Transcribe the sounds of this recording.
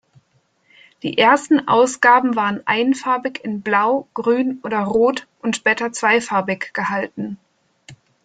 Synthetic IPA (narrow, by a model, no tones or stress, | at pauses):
d̥ḭːʔeːɐstn̩ʔa̰ʊsɡ̥aːbm̩vaːʁənʔa̰ɪnənfaɐbɪkɪnblaʊɡ̥ʁyːnʔoːdɐʁoːtʔʊntʃb̥ɛːtɐt͡sv̥aɪfaɐbɪkɡ̥əhaltn̩